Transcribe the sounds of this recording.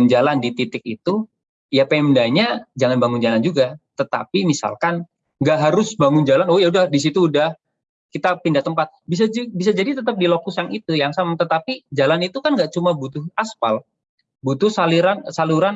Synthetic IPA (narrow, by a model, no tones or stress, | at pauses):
nd͡ʒalandit̪it̪ɪk̚it̪u | japamdaɲad͡ʒaŋanbaŋʊnd͡ʒaland͡ʒuɡat̪ət̪a̰pimisa̰lkan | ŋɡaʔɦaɾʊsbaŋʊnd͡ʒalanojaudahdis̬it̪uːdah | kit̪apindaht̪əmpat̪̚bis̬abis̬ad͡ʒadit̪ət̪əp̚dilokʊsjaŋit̪ujaŋsamat̪ət̪apid͡ʒalanit̪ukanŋɡaʔt͡ʃumabut̪ʊhaspa̰l | but̪ʊhsaliɾansaluɾan